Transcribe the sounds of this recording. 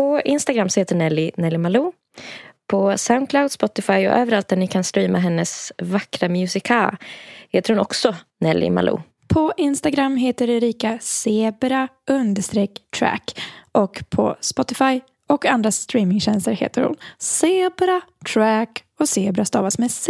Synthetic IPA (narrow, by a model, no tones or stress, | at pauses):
pɔɪnst̪aɡɾamːsɔheːt̪əɳɛlːɪnɛlːɪmaluː | pʰɔsaʊnkʰlawd̪spɔt̪ɪfajɔ̰ʔøːvəɾalt̪̚d̪æɳɪkʰanst̪ɾiːmʔaɦɛnːəsvakɾamjʉːsɪkʰalheːt̪əɾhʊnɔ̰ksɔ | nɛlʔɪ̰ma̰lʔṵː | pʰɔʔɪnst̪aɡɾamːɦeːt̪əɾɛɾiːkaseːbɾaɵnd̪əʂt̪ɾɛkːt̪ʰɾæ̰kʔɔkpʰɔ̰spɔt̪ɪfaj | ɔkand̪ɾast̪ɾiːmɪŋɕɛnst̪əɾhḛːt̪əɾhʊ̰nseːbɾat̪ʰɾæk | ɔseːbɾast̪ɑ̰ːvasmɛs